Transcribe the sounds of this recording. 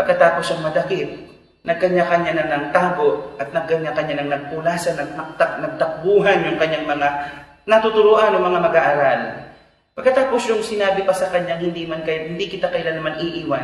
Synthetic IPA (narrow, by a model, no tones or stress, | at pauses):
pɐɡ̚kɐt̪aːposɐŋmɐd̪ɐkɪt̪̚ | nɐɡ̚kɐɲakɐɲanɐnɐŋt̪aːɡo̞ʔʔɐt̪̚nɐɡ̚kɐɲːakɐɲːanɐŋnɐɡ̚pʊlaːsɐnɐt̪̚nɐk̚t̪ak̚nɐɡ̚t̪ɐk̚buːɦɐnjʊŋkɐɲːaŋmɐŋa | nɐt̪ʊt̪ʊɾoʔanɐŋmɐŋamɐɡaːʔaːɾal | pɐɡkːɐt̪aːposjʊŋsɪnaːbɪpɐsɐkɐɲːaŋhɪnd̪imankɐjat̪̚hɪnd̪ikɪt̪akɐʔɪlanːɐmaniʔiːwan